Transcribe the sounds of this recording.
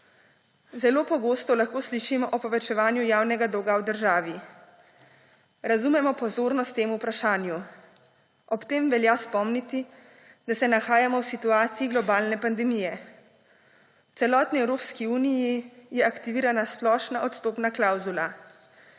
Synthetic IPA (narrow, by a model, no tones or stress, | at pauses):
zɛloːpɔɡoːst̪ɔlaxkoːsliʃimɔʔɔpɔʋɛt͡ʃɛʋaːnjujaːwnɛɡad̪oːɡawd̪əɾʒaːʋi | ɾazumɛmɔpɔzoːɾnɔst̪ːeːmuːpɾaʃaːnju | ɔpt̪eːmʋɛljaspɔmnit̪i | d̪̥asɛnaxaːjamɔwsit̪uaːt̪siiɡlɔbaːlnɛpand̪ɛmijɛ | wt̪sɛlɔːt̪niɛwɾoːpskiuːnijijɛakt̪iʋiːɾanasplɔːʃnaʔɔt̪st̪oːpnaklawzula